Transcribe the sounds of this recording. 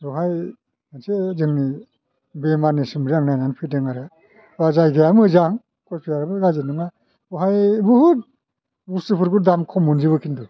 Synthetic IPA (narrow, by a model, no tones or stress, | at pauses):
ɾɔɦaj | ansezɯŋni | bemanisɯmɾijaŋnajnanpʰɯdɯŋaɾɯ | bazajɡejamɯzaŋ | kʰɔjpʰijaɾabɯɡazɯnɯŋa | ɾɔɦajbuhut̚ | busɯpʰɯɾɡudamkʰɔmunziβɯkʰindu